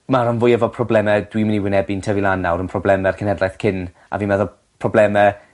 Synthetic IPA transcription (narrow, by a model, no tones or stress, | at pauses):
maɾənvʊjɛvɔpʰrɔblɛmɛd̥wimɪniwɪnɛbintʰəvilˠanːawɾənpʰrɔblˠɛmɛrkʰənɛdlajθkʰɪn | ʔa̰viːnmɛðɔ | pʰrɔblɛmɛ